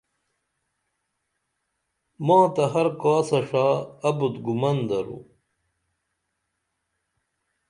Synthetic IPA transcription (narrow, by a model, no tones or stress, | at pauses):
mɑ̃ːt̪ɐɦɐɾkaːsɐʂaːɐbut̪ɡumɐnd̪ɐɾṵ